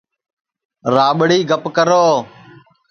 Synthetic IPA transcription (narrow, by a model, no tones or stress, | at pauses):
ɾaːɓɽiːɡʱəpkəɾoː